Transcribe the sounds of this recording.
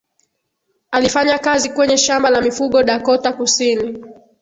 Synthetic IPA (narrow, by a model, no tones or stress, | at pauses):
alifaɲakazikwɛɲɛʃambalamifuɠɔɗakɔtakusini